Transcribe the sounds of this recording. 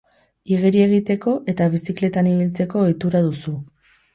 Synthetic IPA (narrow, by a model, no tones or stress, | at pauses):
iɣeɾie̞ɣ̞it̪e̞ko̞ʔe̞t̪aβ̞isikle̞t̪aniβ̞ilt͡se̞ko̞jt̪uɾaðusu